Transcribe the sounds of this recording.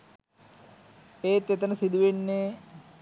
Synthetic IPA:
eːt̪ːet̪ɐnɐsid̪uʋenːe

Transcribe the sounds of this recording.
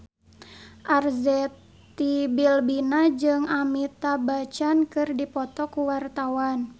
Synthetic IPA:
ʔarzɛt̪ | ibilbinad͡ʒɨŋamit̪abat͡ʃankɨrdipɔt̪ɔkuwart̪awan

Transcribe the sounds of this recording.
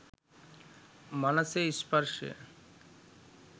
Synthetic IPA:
manaseispaɾʃḛ

